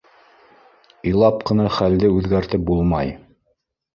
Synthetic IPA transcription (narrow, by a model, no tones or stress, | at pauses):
ĭjlˠɑp̚qɤ̆nɑχæld̪ɘʉðɡæɾt̪ɘp̚bulˠmɑj